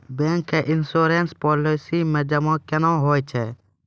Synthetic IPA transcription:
bẽːŋkːeʔɪnsoːɾeːnspɔːlesimẽd͡ʒɐmãːkenãːɦoːt͡ʃʰɛː

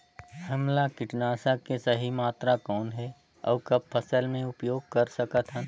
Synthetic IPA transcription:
ɦəmlakɪʈnaːsakesəɦimaːt̪ɾakɔːnɦɛ | ɔ̰ːkɐb̚pʰəsəlmẽʊpjoːɡ̚kɐɾsəkət̪ʰɦə̃

